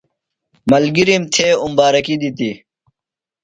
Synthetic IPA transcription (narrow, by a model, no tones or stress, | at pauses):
mɐlɡiɾimt̪ʰeːumbaːɾɐkid̪it̪i